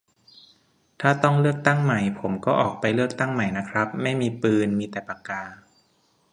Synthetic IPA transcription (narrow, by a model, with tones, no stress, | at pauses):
t̪ʰaː˥˩t̪ɔ˥˩ŋlɯ˥˩ək̚t̪a˥˩ŋma˨˩jpʰo˩˦mkɔː˥˩ʔɔː˨˩k̚pa˧jlɯ˥˩ək̚t̪a˥˩ŋma˨˩jna˦˥kʰɾa˦˥p̚ma˥˩jmiː˧pɯː˧nmiː˧t̪ɛː˨˩pa˨˧kaː˧